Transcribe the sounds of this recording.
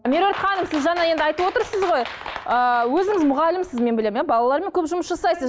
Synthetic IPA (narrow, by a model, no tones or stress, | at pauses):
mʲeɾoet̪χɑnəmsɪzʒɑnɑje̞nd̪ɪɑjt̪əwo̞t̪əɾsəzʁo̞jəwɵzɪŋɪzmʊʁɑlɪmsɪzme̞nbɪle̞mjabɑlˠɑlˠɑɾme̞ŋkʲʰɵpʒʊməsʒɑsɑjsəz